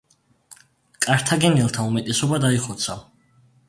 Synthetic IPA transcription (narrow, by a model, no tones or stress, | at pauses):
kʼaɾt̪ʰaɡɛnɛlˠt̪ʰaumɛt̪ʼɛsɔbad̪aiχɔt̪sʰa